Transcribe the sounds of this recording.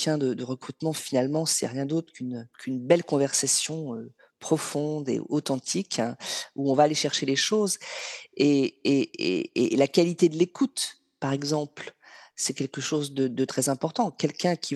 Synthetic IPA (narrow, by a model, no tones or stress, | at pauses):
jɛ̃d̪əd̪əʁəkχyt̪mɑ̃finalmɑ̃sɛ̰ʁjɛ̃d̪ot̪χə̥kynkʰynbɛlkɔ̃vɛʁsasjɔ̃ø | pχɔfɔ̃d̪ḛɔt̪ɑ̃t̪ʰikɛ̃uɔ̃vaːleʃɛʁʃeleʃozeeḛelakalit̪ed̪əlekut̪ | paʁɛɡzɑ̃plsɛkʲɛlkəʃozd̪əd̪ət̪χɛzɛ̃pɔʁt̪ɑ̃kʲɛlkʲɛ̃kʲʰi